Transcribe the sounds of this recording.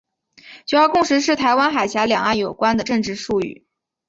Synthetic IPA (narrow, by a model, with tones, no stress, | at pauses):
t͡ɕo˥˧˩jɑ˥˧kʊ˥˩ŋʂɻ̩˧˥ʂɻ̩˥˩t̪ʰa˧˥ɪwa˥nxa˨˩ɪɕja˧˥ljɑ˨˩ŋa˥˩njo˨˩ʊkwa˥nd̪ə˨ʈ͡ʂɤ˥˧ŋʈ͡ʂɻ̩˥˧ʂu˥˧y̰˥˩